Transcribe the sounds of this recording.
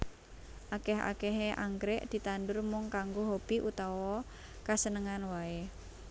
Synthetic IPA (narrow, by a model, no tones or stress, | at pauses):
ʔakɛɦa̰kɛɦeʔa̰ŋɡɾɛʔd̪̥i̤t̪andʊrmʊŋkaŋɡoɦob̥iʔut̪awɔ | kasənəŋanwae